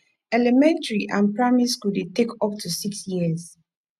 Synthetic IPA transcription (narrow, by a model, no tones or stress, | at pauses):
ɛlɛmɛ̃ntəɹiʔãnpɹamiskuditekɔp̚tʰusiksjiz